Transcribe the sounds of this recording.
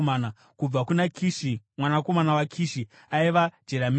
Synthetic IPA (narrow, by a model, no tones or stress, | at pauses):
aːna | kub͡vakunakiʃimwanako̞manawakʰiːʃi | aiʋad͡ʒeɾam